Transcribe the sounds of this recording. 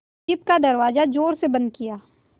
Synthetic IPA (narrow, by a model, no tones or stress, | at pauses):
ɪp̚kad̪ɐɾwaːzad͡ʒoːɾsebɐ̃nd̪̚kijaː